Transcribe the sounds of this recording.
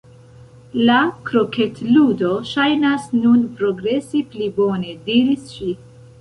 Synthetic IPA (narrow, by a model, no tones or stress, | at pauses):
lakɾo̞ketludo̞ʃajnasnunpɾo̞ɡɾe̞siplibo̞ne̞diɾisʃi